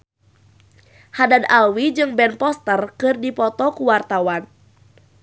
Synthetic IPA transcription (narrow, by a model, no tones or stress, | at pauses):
hadanawid͡ʒɨŋbɛnpɔst̪ərkɨrdipɔt̪ɔkuwart̪awan